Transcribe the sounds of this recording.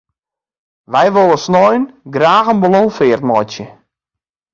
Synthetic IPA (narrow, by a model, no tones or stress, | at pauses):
ʋɛjʋolˠəsnɔjnɡraːɣənbolɔŋfɪːrtmɔjt͡sjə